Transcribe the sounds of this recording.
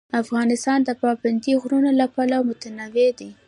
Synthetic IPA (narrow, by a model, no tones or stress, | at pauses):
afɣɑnɪst̪ɑnd̪əpɑband̪iɣɾunolapɑlamʊt̪anawed̪i